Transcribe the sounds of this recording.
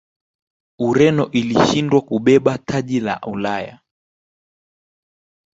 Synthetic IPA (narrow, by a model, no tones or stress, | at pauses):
uɾɛnɔʔiliʃindwakuɓɛɓatʰaʄila̰ulaja̰